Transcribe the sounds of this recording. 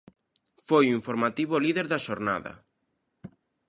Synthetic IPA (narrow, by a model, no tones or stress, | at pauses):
fojuiɱfoɾmat̪iβoliðeɾðaʃoɾna̰ðɐ̰